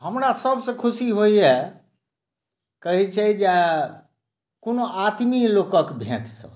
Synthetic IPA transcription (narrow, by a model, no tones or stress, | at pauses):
ɦəmɾasəbsə̃kʰusiɦoje | kəɦit͡ʃʰɛid͡ʒe | konoʔat̪milokəkbʱḛ̃ʈsə̰̃